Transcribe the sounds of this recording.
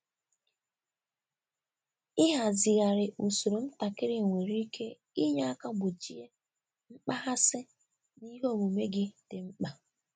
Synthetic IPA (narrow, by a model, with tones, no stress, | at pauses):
ɪ˦ɦa˨zɪ˨ɣa˨ɾɪ˨u˨so˨ɾo˨m̩˦ta˨kɪ˦ɾɪ˨ŋʷe˨ɾi˦i˦ke˦ | i˦ɲa˦a˦ka˦ɡ͡bʊ˨t͡ʃi˦e˦ | ŋ͡m̩˦k͡pa˦ɦa˦sɪ˦ | ni˦ɦo˦˨mu˨me˦ɡɪ˦dɪ˨m̩˦k͡pa˨